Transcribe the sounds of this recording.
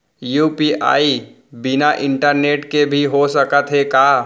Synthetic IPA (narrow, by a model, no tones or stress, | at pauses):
juːpiːʔa̰ːi | bɪnaʔɪ̃ɳʈəɾneːʈkebʱiɦosəkət̪ɦɛkaː